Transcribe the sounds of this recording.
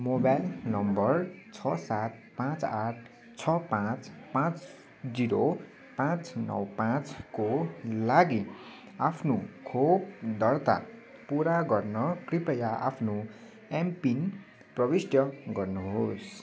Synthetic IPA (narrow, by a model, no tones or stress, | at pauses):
mobajlnʌmbʌrt͡sʰʌsat̪̚pãt͡saʈʰ | t͡sʰʌpãt͡spãt͡s | d͡ziɾo | pãt͡snʌ̰wpãt͡skolaɡi | apʰnukʰobd̪ʌrt̪a̰ | puɾaɡʌrnʌkripʌjaʔa̰pʰno | empin | prʌbisʈjʌɡʌrnuɦos